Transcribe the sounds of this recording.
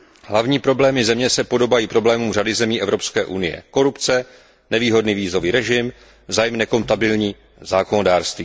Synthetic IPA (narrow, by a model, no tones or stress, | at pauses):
ɦlavɲiːpɾo̞blɛːmɪzɛmɲɛsɛpo̞do̞bajiːpɾo̞blɛːmuːmradɪzɛmiːʔɛvɾo̞pskɛːʔunɪjɛ̰ko̞ɾupt͡sɛ | nɛviːɦo̞dniːviːzo̞viːɾɛʒɪm | zaːjɛmnɛko̞nt̪abɪlɲiː | zaːko̞nodaːrst̪viː